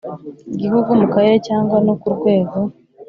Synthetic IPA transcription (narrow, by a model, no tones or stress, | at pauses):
iɟihuɡumukaɾeɾecaːŋɡwano̞kuɾɡwe̞ːɡo̞